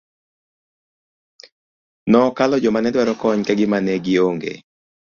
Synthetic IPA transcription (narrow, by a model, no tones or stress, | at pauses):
nɔkalɔd͡ʒɔmanɛdwaɾɔkɔɲkaɡɪmanɛɡɪoŋɡḛ